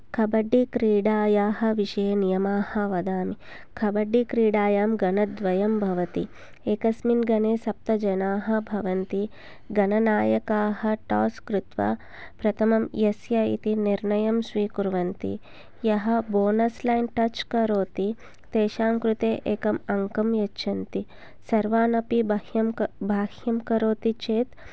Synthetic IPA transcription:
kʰɐbɐɖːikɾiːɽaːjaːɦɐ̆ʋiʃɐjɐnijɐmaːhɐʋɐd̪aːmi | kʰɐbɐɖːikɾiːɽaːjaːmɡɐnɐd̪ʋɐjɐmbʱɐʋɐt̪i | eːkɐsminɡɐneːsɐp̚t̪ɐd͡ʒɐnaːɦɐbʱɐʋɐnt̪i | ɡɐnɐnaːjɐkaːɦɐʈaːskɾut̪ʋɐ̰ | pɾɐt̪ʰɐmɐmjɐsjɐḭt̪iniɾnɐjɐmsʋiːkuɾʋɐnt̪ḭ | jɐɦɐ̆boːnɐslɐjnʈɐt͡ʃkɐɾoːt̪i | t̪eːʃaːŋkɾut̪eːʔeːkɐmɐŋkɐmjɐtːʃʰɐnt̪i | sɐɾʋaːnɐpibɐhjɐmbʱaːhjɐmkɐɾoːt̪it͡ʃeːt̪

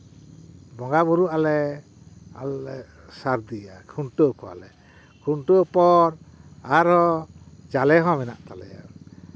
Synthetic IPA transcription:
bɔŋɡabuɾuʔalɛ | a̰lɛ | saɾd̪iakʰuɳʈɔkɔa̰lɛ | kʰuɳʈɔpɔɾaɾhɔd͡ʒalɛɦɔ̃mɛna̰ʔt̪alɛ̰ja̰

